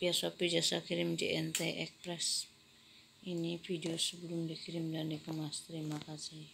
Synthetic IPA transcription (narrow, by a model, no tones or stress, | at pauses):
piaswapid͡ʒasakʰiɾimd͡ʒḛʔɛnt̪eʔɛk̚pɾɛs | inipʰidiosəbəlumdikʰiɾimdanikəmast̪ɾimakasi